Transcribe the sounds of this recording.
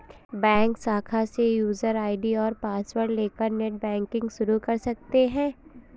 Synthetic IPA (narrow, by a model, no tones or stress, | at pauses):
bɛ̃ːŋksaːkʰasejuːzəɾaːɪɖiɔːɾpaːswəɾʈleːkəɾneʈ̚bɛ̃ːŋkɪ̃ŋɡʃʊɾukɐɾsɐk̚t̪eɦɛ̃ː